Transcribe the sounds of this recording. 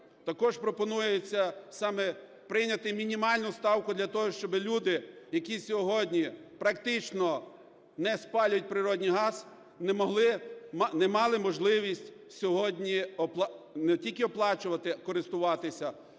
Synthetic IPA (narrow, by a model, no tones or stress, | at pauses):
t̪ɐkɔʃpɾɔpɔnujɛjet͡sʲːɐsɑmɛ | pɾɪjnʲɐt̪ɪmʲinʲimɑlʲnʊst̪ɑwkʊd̪lʲɐt̪ɔɦɔʃt͡ʃɔbɪlʲud̪ɪjɐkʲisʲɔɦɔdʲnʲipɾɐkt̪ɪt͡ʃnɔ | nɛspɑlʲʊt̚ʲpɾɪɾɔdʲnʲijɦɑz | nɛmɔɦlˠɪmnɛmɑlˠɪmɔʒlˠɪʋʲisʲtʲ | sʲɔɦɔdʲnʲiɔplˠnɛtʲilʲkɪɔplˠɑt͡ʃʊʋɐt̪ɪkɔɾɪst̪ʊʋɑt̪ɪsʲɐ